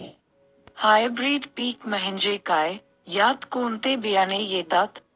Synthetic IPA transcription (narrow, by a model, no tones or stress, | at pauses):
haːjbɾiːɖpiːkməɦɪ̃ɲd͡ʒekaːe | jaːt̪koːnt̪ebijaːnejeːt̪aːt̪